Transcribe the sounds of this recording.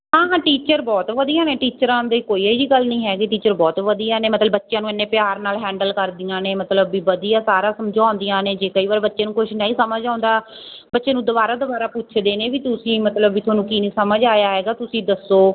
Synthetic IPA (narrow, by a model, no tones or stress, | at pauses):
ɦãːɦãːʈiːt͡ʃəɾbɔːt̪ʋəd̪ijãːneːʈiːt͡ʃəɾãːnd̪eːkoːiːiʋiːɡəlnəĩːɦɛːɡiʈiːt͡ʃəɾbɔːt̪ʋəd̪ijaːneːmət̪ləbːətːʃjãːnũːenːeːpɪjaːɾnaːlɦɛ̃ːɳɖəlkəɾd̪ɪjãːneːmət̪ləbːiːʋəd̪ijãːsaːɾãːsəmd͡ʒãːʊnd̪ijãːneːd͡ʒeːkəiːʋaːɾbətːʃeːnũːkʊʃnaːiːsəməd͡ʒãːnd̪aː | bətːʃẽːnũːd̪ʊbaːɾaːd̪ʊbaːɾaːpʊt͡ʃʰd̪eːneːʋiːt̪ʊsĩːmət̪ləbːiːt̪ʰaːnũːkiːnĩːsəməd͡ʒaːjaːɦɛːɡaːt̪ʊsĩːd̪əsːoː